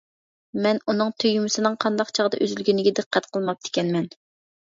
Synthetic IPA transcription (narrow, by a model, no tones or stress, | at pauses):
mɛnunɨŋt̪ʰøjymɪsɪnɨŋqʰɑnd̪ɑqt͡ʃʰɑʁəd̪ɑ̰ʔøzylɡʲynɪɡʲɛd̪ɨqʰːɛt̪qʰəlˠmɑp̚t̪ɪ̥kʲʰɛnmɛn